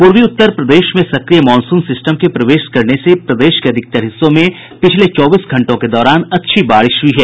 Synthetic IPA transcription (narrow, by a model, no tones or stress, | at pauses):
puɾʋiʊt̪ːəɾpɾɐd̪eːʃmẽsɐkɾijəmɔ̃ːnsũːnsɪsʈəmkepɾɐʋeːʃkɐɾnesepɾɐd̪eːʃkeɐd̪ʱɪk̚t̪əɾɦɪsːõmẽ | pɪt͡ʃʰlet͡ʃɔːbiːsɡʱɐ̃ɳʈõked̪ɔːɾaːnɐtːʃʰibaːɽɪʃʋiɦɛː